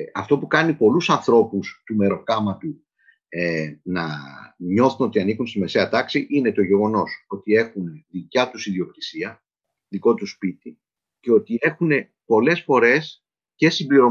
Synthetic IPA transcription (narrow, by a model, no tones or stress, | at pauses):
ɐft̪o̞pukɐnipo̞lusɐnθɾo̞pust̪ume̞ɾo̞kɐmɐt̪u | enɐɲo̞θuno̞t̪iɐnikunst̪ime̞se̞ɐt̪ɐksiʔine̞t̪o̞ʝe̞ɣo̞no̞so̞t̪ie̞xunðicɐt̪usiðio̞kt̪i̥siɐ | ðiko̞t̪uspit̪i | ce̞o̞t̪ie̞xune̞ | po̞le̞sfo̞ɾe̞s | ce̞simbliɾo̞